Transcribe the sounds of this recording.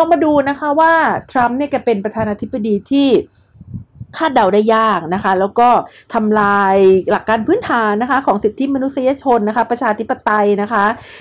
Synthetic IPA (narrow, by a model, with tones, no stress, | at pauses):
ɔː˧maː˧duː˧na˦˥kʰa˦˥waː˥˩t̪ʰɾa˦˥mni˥˩ka˧pe˧npɾa˧t̪ʰaː˧naː˧t̪ʰi˦˥bːa˧diː˧t̪ʰiː˥˩ | kʰaː˥˩t̪̚da˨˩wda˥˩jːaː˥˩k̚na˦˥kʰa˦˥lɛː˦˥wkɔː˥˩t̪ʰa˧mlaː˧jla˨˩kːaː˧npʰɯ˦˥˨nt̪ʰaː˩˦nːa˦˥kʰa˦˥kʰɔː˩˦ŋsi˨˩t̪ʰːi˦˥ma˧nu˦˥t̪̚si˧jaː˧t͡ɕʰo˧nːa˦˥kʰa˦˥pɾa˧t͡ɕʰaː˧t̪ʰi˦˥pːa˧t̪a˧jna˦˥kʰa˦˥ʔ